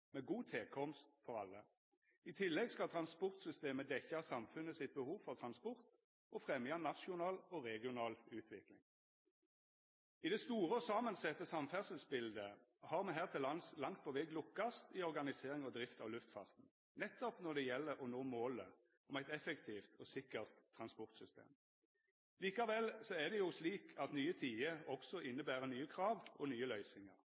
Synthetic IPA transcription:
mɛːɡuːt̪ʰeːkʰɔmst̪fɔʁɑ̰lːə | ɪt̪ʰɪlːɛɡskɑt̪ʰʁɑnspɔʁt̪sʏst̪eːməd̪ɛçːɑsɑmfʉnəsɪt̪̚bəhuːʋfɔʁt̪ʰʁɑnspɔʁt̪ | ɔfʁɛmjɑnɑʃʊnɑːlɔʁɛɡɪʊnɑːlʉːt̪ʰʋɪklɪ̰ŋ | ɪd̪ɛst̪uːʁəɔsɑmənsɛt̪ːəsɑmfæʁsəlsbɪld̪əhɑːʁmɛnɦæːʁt̪ʰɪlɑnslɑŋt̪̚pʰɔʋɛɡlʊkːɑst̪ɪɔʁɡɑnɪseːʁɪŋɔd̪ʁɪft̪ʰɑ̰ʋlʉft̪fɑ̰ʁt̪n̩ | nɛt̪ːɔpnɔʁd̪ɛjɛlːəʁɔnoːmoːlə | ɔmæɪt̪ɛfɛkt̪ʰiːft̪ʰɔsɪkəʁt̪ʰːʁɑnspɔʁt̪sʏst̪ḛːm | liːkɑʋɛlsɔæʁd̪ɛjʊsliːkʰɑt̪nyːət̪ʰiːəɔksɔʔɪnːəbæːʁənyːəkʰʁɑːʋɔnyːəlœʏsɪŋə̰ʁ

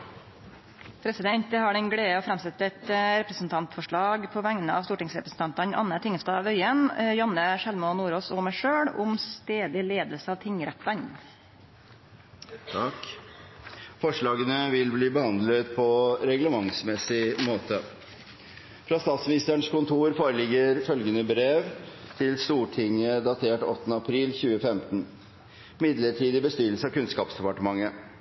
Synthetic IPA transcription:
pʰɾɛsɪd̪ɛnt̪əhɑɖɛnɡɽeːəɔfɾɑmsɛt̪ːɛt̪ɾɛpɾəsn̩t̪ʰɑnt̪fɔʂɭɑːɡpʰɔʋæŋnəɑ̰ʋsuːʈɪŋsɾɛpɾəsn̩t̪ɑnt̪ɑnʔɑ̰nːət̪ʰɪŋəst̪ɑːʋœʏənjɑnːəʃɛlmənuːɾoːsɔmæɪʂøːɽʊmst̪eːd̪ɪleːd̪əlsəɑːʋt̪ʰɪŋɾɛt̪ːɑɲ | t̪ʰɑk | fɔʂɭɑːɡənəʋɪlbliːbəhɑnd̪lət̪pʰɔɾɛɡləmɑŋsmɛsɪmoːt̪ə | fɾɑːst̪ɑːt̪smɪnɪst̪əɳʂkʊnt̪ʰuːɾfoːɾəlɪɡəɾfœlɡənəbɾeːʋt̪ʰɪlst̪uːʈʰɪŋəd̪ɑt̪ʰeːʈɔt̪ːənəɑpʰɾiːlçʉːəfɛmt̪ən | mɪd̪ləʈʰiːd̪ɪbəst̪yːɾəl̩səɑʋkʉnskɑːpsd̪ɛpɑʈəmɑŋːə

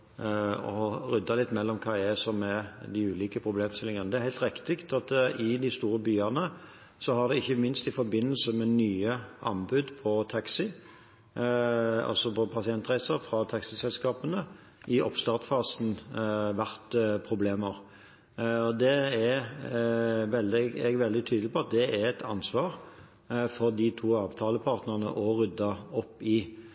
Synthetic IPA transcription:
ɔʁʏd̪ːɑlɪt̪ːmɛlːɔmkʰɑːɛsɔmɛd̪ɪʉːliːkəpʰʁʊbleːmst̪ɪlɪŋənəd̪ɛæɾhæɪlt̪ɾɪkt̪ɪkt̪ɑt̪ɪd̪ɪst̪uːɾəbyːɑnə | sɔhɑʁd̪ɛɪçːəmɪnst̪ɪfɔɾbɪnːəlsəmɛnyːəʔɑ̰nbʉd̪pʰɔt̪ʰɑksɪ | ɔ̰sɔpʰɔpʰɑsɪɛnt̪ʁæɪsəɾfɾɑt̪ʰɑksɪsɛlskɑːpənə | ʔɪʔɔpst̪ɑːʁt̪fɑːsn̩ʋæʁt̪pʰʁʊbleːməʁ | ɔd̪ɛæ | ʋɛld̪ɪɛɡʋɛld̪ɪt̪ʰyːd̪lɪpʰɔɑt̪̚d̪ɛæʁɛt̪ʰɑ̰nsʋɑːʁ | fɔʁd̪it̪ʰuːɑːʋt̪ʰɑːləpʰɑːʁt̪nəʁənə̰ʔɔʁʏd̪ːɑɔpːɪ

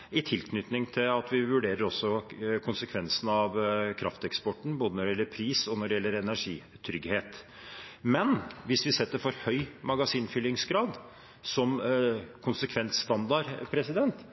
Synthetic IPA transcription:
ɪt̪ʰɪlkʰnʏt̪nɪŋt̪ʰɪlɑt̪ʋɪʋʉɖeːɾəɾɔsːɔkʰʊnsəkʰʋɛnsənɑʋkʰɾɑ̰ft̪ɛkspɔʈːɳ̩boːd̪ənɔɖɛɪɛlːəɾpʰɾiːsɔnɔɖɛjɛlːəɾɛnæʂḭː | t̪ʰɾʏɡheːt̪ | mɛnʋɪsʋɪsɛt̪ːəɾfɔɾhœʏmɑɡɑsiːnfʏlːɪŋsɡɾɑːd̪ | sɔmkʰʊnsəkʰʋɛnt̪st̪ɑnd̪ɑɾpʰɾɛsɪd̪ɛnt̪

